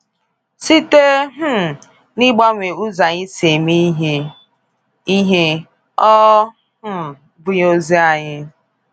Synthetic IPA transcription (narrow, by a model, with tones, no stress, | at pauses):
si˦te˦ɦ̩˦˨ | ni˦ɡ͡ba˦ŋʷe˨u˦za˨ɲɪ˦se˨mi˦ɦ | i˦ɦe˦ | ɔ˦ | h̩˦˨ | bʊ˦ɲ˦o˦zi˦a˨ɲɪ˦